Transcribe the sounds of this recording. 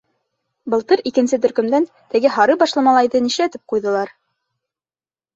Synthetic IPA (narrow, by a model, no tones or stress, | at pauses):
bɤ̆lˠt̪ɤɾikɘ̆nsɘt̪̬ɵ̆ɾkɵ̆md̪æn | t̪ɘ̆ɡɘɦɑɾɤbɑʃlˠɑmɑlˠɑjðɤniʃlæt̪ɘp̚qujðɤ̆lˠɑɾ